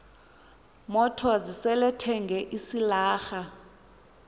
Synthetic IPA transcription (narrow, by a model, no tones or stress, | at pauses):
mɔtʰɔzisɛlɛtʰɛŋɡʱɛʔisilaːxa